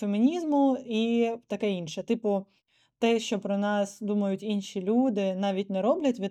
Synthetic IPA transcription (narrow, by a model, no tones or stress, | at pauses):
femʲinʲizmʊit̪ɐkɛinʃɛt̪ɨpʊ | t̪ɛʃt͡ʃɔpɾɔnɑsd̪umɐjʊtʲinʃʲilʲud̪ɪnɑʋʲitʲnɛɾɔblʲɐtʲʋʲi